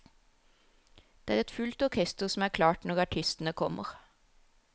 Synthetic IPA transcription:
d̪̥eːæːʁɛt̪fʉlt̪ɔɾkʰɛst̪əʁsɔm̩æːkʰlɑːʈnɔʁɑʈʰɪst̪n̩əkʰɔmʔə̰ʁ

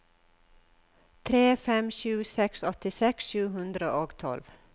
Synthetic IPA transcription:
t̪ʰɾeːfɛmʃʉːsɛksɔt̪ɪsɛksʃʉːhʉnd̪ɾəʔoːɡt̪ʰɔ̰lʋ

